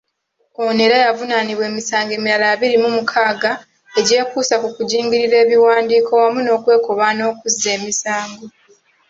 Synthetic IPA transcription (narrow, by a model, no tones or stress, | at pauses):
o̞neɾajavunaniβwe̞ːmisaːŋɡe̞ːmiɾalaːβiɾimumukʰaːɡa | e̞ɟe̞ːkuːsakukuɟiːŋɟiɾiɾe̞ːβiwaːndiːko̞wamuno̞ːkwe̞ːkoβano̞ːkuzːe̞ːmisaːŋɡo̞